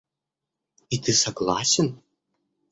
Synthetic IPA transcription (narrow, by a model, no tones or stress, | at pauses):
it̪ʰɨsɐɡlˠa̰sʲɛn